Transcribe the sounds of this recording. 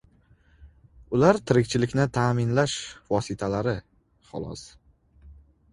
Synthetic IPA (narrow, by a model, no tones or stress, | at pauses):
ʊlaɾt̪ʰɪɾɪkʲt͡ʃʰɪlɪkʲnɪt̪ʰaːmɪnlaʃvɒsɪt̪ʰalaɾɪ | χʊ̰lˠɒ̰s